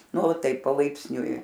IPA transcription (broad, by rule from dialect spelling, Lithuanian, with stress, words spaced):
ˈnʊ ˈtɐɪp pɐlˠɐɪpʲsʲˈnʲʊɪ